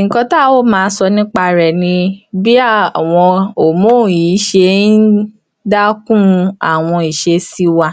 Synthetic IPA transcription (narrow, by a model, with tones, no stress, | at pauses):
ŋ̩˨kɔ̃˧ta˦˨wo˦mãː˨˧˦sɔ˧nĩ˦k͡pa˧ɾɛ˨nĩ˧bi˦a˦˨w̃ɔ̃˧o˨mo˦˨jiː˨˦ʃe˧˦nn̩˦ | da˦kũ˦a̰˨w̃ɔ̃˧i˨ʃe˧si˦wa˧